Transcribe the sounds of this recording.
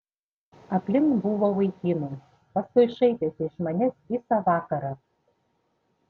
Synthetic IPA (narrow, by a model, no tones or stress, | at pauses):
ɐpʲlʲɪŋkbuʋoʋɐɪkʲiːnʊ | pɐskʊɪʃɐɪt̪ʲeːsʲɪɪʃmɐnʲɛsʋʲiːsɑʋɑːkɐɾɑ